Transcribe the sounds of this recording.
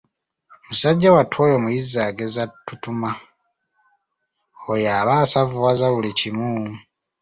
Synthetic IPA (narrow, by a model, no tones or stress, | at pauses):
musaɟːawatʰwoːjomujizːaɡezatːutuma | ojaːβaːsavuwazaβulicimu